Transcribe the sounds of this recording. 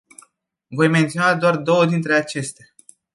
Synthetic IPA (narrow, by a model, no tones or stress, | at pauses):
vo̞jment̪sionad̪oard̪o̞wəd̪int̪ɾe̞at͡ʃe̞st̪e